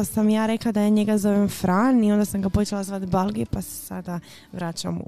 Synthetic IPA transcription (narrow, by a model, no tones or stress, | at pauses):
samjaːɾe̞klad̪ajaːɲe̞ɡazo̞ʋemfɾanio̞nd̪asamɡapo̞t͡ʃelazʋat̪balˠɡepase̥sa̰d̪a | ʋɾat͡ɕa̰m